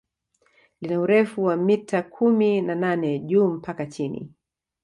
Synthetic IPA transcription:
linauɾɛfuwamitakʰuminananɛʄuːm̩pakat͡ʃinḭ

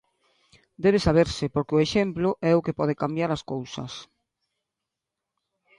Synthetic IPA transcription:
d̪ɛβesaβ̞eɾsɪpoɾkeʊeʃemplʊʔɛʊkepɔð̞ekambjaɾaskowsɐ̰s

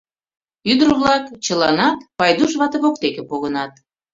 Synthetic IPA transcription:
yd̪ərβlɑkt͡ɕəlɑnɑt̪pɑjd̪uʃβɑt̪eβok̚t̪ekepoɣənɑt̪̚

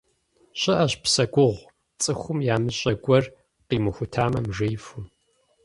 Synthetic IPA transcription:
ɕʼɪʔɐɕpsɐɡʷʊʁʷ | t͡sʼɨxʷʊmjaːmɨɕʼɐɡʷʼɔr | qiːmɨxʷʊtʰaːmɐmʒejfʊm

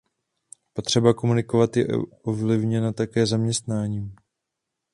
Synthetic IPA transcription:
po̞t̪r̝̥ɛbako̞munɪko̞vat̪jɛʔʔovlɪvɲɛnat̪akɛːzamɲɛst̪naːɲiːm

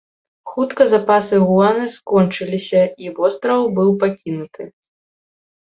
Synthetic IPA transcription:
xut̪kɐzapasɨɣulˠanɨskɔnt͡ʂɨlʲisʲɐivɔst̪ɾɐvbɨwpakʲinut̪ʰɨ

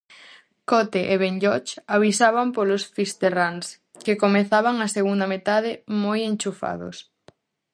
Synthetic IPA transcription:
kɔt̪eʔeβeɲʎɔt͡ʃaβisaβampolosfist̪erans | kekomeθaβaŋaseɣund̪amet̪aðɪmojent͡ʃufa̰ðo̰s

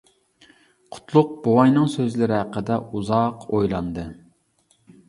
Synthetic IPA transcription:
qʰʊ̥t̪ʰlˠʊq̚bowɑjnɨŋsøzlɪɾɪɦæqːəd̪ɛuzɑqojlˠɑnd̪ɨ

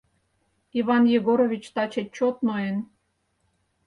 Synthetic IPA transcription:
iβɑnjeɣoɾoβʲit͡ɕt̪ɑt͡ɕet̚ʲt͡ɕot̪noen

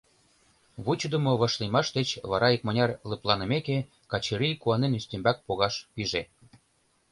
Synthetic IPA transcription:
βut͡ɕəd̪ə̆moβɑ̆ʃlimɑʃd̪et͡ɕβɑɾɑik̚mɤ̆nʲɑrlɤ̆plˠɑnə̆meke | kɑt͡ɕeɾijkuɑnenysʲt̪ʲembæk̚poɣɑʃpiʒe

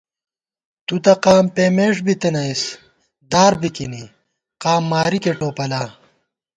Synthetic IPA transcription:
t̪ut̪ɐqaːmpeːmeːʂbit̪enɐis | d̪aːɾbikini | qaːmːaːɾikeʈoːpɐlaː

